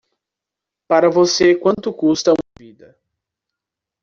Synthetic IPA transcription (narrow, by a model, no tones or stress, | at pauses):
paɾɐvosekwɐ̃nt̪ʊkust̪ɐũmɐvid̪ɐ